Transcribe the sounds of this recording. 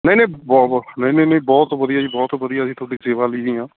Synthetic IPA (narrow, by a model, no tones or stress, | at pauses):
nə̃ĩnẽːbɔːnə̃ĩːnẽːnəĩːbɔːt̪ʋəd̪ijaːiːbɔːt̪ʋəd̪ijaːsĩt̪ʊaːɽɖiːseːʋaːliːd͡ʒiːɦãː